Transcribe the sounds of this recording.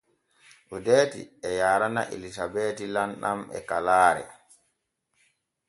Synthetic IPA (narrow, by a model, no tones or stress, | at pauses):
ʔudeːtḭɛjaːɾana̰ʔḛlisabeːtilanɗamɛ̰kalaːɾɛ̰